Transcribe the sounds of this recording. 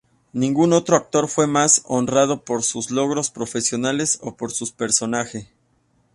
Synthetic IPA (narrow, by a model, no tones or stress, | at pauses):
nĩŋɡuno̞t̪ɾo̞ak̚t̪o̞ɾfwe̞maso̞nrað̞o̞po̞ɾsuzlo̞ɣ̞ɾo̞spɾo̞fe̞sjo̞nale̞so̞̰po̞ɾsuspe̞ɾso̞naxe